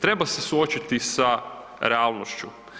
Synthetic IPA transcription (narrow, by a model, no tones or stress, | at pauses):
t̪ɾe̞base̞suo̞t͡ɕit̪isa | ɾealˠnoʃt͡ʃu